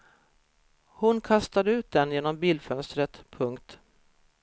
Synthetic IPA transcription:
hʊnkʰast̪ad̪əʉ̟ːt̪̚d̪ɛnjeːnɔmbiːlfœnst̪ɾət̪pʰɵŋkt̪

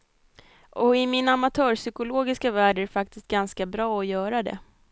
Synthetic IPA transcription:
ʔɔɪmɪnamat̪ʰœːɾʂʏkʊloːɡɪskavæːɖæɾɛfak̚t̪ɪst̪̚ɡanskabɾɑːɔjœːɾad̪ɛ̰

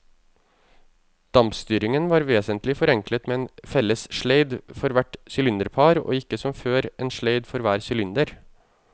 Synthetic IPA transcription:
d̪̥ɑmpst̪yːɾɪŋənʋɑːɾʋeːsənt̪lɪfɔɾɛŋklət̪meːeːnfɛlːəsʃɭeɪd̪fɔɾʋæʈsɪlɪnd̪əɾpʰɑːɾo̰ːɪkːəsɔmføːɾʔeːnʃleɪd̪fɔɾʋæːɾsɪlɪnd̪əɾ

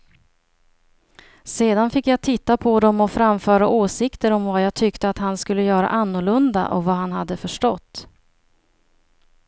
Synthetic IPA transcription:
seːd̪anfɪkːjaɡt̪ʰɪt̪ːapʰɔd̪ɔmɔfɾamfœːɾaʔoːsɪkt̪əɾɔmvajaːɡt̪ʰʏkt̪əat̪hanskɵlːəjœːɾa̰ʔanːʊɭɵnd̪a̰ʔɔ̰vaɦanhad̪ːəfœʂʈɔt̪ː

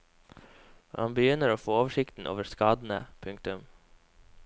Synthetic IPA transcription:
ʔɑ̰nbəjʏnəɾoːfoːoːʋəʂɪkt̪n̩ʔo̰ːʋəskɑːd̪n̩ə̰pʰʉŋk̚t̪ʉm

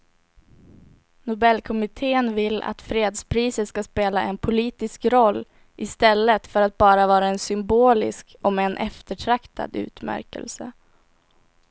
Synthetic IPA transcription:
nʊbɛlːkʰɔmɪt̪ʰeːənvɪlːa̰t̪fɾeːd̪spʰɾiːsət̪skaspeːlaʔɛnpʰʊliːt̪ɪskɾɔlː | ʔɪst̪ɛlːət̪fœɾat̪̚bɑːɾavɑːɾaɛnsʏmboːlɪ̰sk | ɔmɛːnʔɛft̪əʈʰɾakt̪ʰa̰d̪ʉ̟̰ːt̪mæ̰ɾkə̰lsə̰

